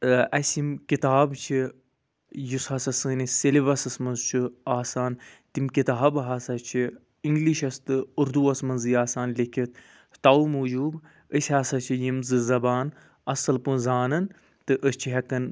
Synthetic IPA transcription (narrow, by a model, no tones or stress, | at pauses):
ɐsʲimkit̪aːbt͡ʃʰi | jushɐsɐsɨːniseliʋɐsɐsmɐnzt͡ʃʰuaːsaːnt̪imkit̪aːbɦasɐt͡ʃʰi | iŋɡliʃɐst̪ɨuɾd̪uɐsmɐnzɨjaːsaːnlikʰit̪̚ʰ | t̪aumuːd͡ʒuːb | əsʲaːsɐt͡ʃʰijimzɨzɐbaːn | ɐsɐlpɨzaːnɐn | t̪ɨʔəst͡ʃʰiɦɐkɐn